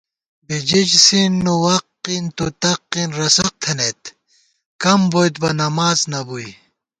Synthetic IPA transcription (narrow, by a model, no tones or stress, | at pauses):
bid͡ʑid͡ʑsinːuwɐqːint̪ut̪ɐqːinɾɐsɐq̚t̪ʰɐnet̪ | kɐmbojt̪̚bɐnɐmaːznɐbuj